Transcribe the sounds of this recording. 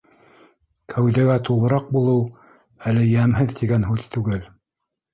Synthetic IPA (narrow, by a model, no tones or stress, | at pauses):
kʰæwðæɡæt̪ulˠɤ̆ɾɑq̚bulˠɤw | ælɘjæmɦɘðt̪iɡænɦʉðt̪ʉɡɘl